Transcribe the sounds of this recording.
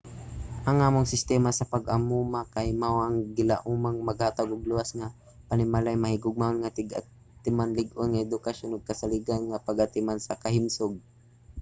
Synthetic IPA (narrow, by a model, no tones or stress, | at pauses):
ʔaŋʔaːmʊŋsɪst̪ɛmasɐpɐɡamumakahɪmawʔaŋɡɪlaʔumaŋmɐɡaːt̪aɡʊɡ̚luwasŋa | pɐnɪmalajmɐhɪɡʊɡ̚mahonŋat̪ɪɡa̰ | t̪ɪmanlɪɡʔonŋaɛd̪ʊkaʃonʊɡ̚kɐsaliɡanŋapaɡat̪ɪmansɐkɐhɪmsoɡ̚